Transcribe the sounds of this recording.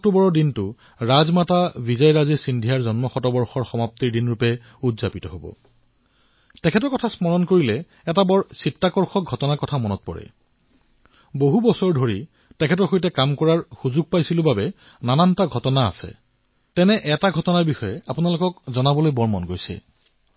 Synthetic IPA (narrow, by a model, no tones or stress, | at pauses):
ɔk̚tubɔɹɔɹdintʊ | ɹazmatabizajɹazisindʱijaɹzɔnmɔxɔtɔbɔɹxɔɹxɔmaptiɹdinɹupɛ | udzapitɔɦobɔ̰ | tɛkʰɛtɔɹkɔtʰasmɔɹɔnkoɹilɛ | ɛtabɔɹsitːakɔɹxɔk̚ɡʱɔtɔnakɔtʰamɔnɔt̚pɔ̰ɹɛ̰ | boɦubɔsɔɹdʱoɹi | tɛkʰɛt̬ɔɹxojtɛkamkɔɹaɹxuzuɡ̚pajsilʊbabɛ | nanantaɡʱɔtɔna̰ːsɛ̰ | tɛnɛʔɛtaɡʱɔtɔnaɹbixɔjɛapunalʊkɔkzɔnabɔlojbɔɹmɔnɡojsɛ̰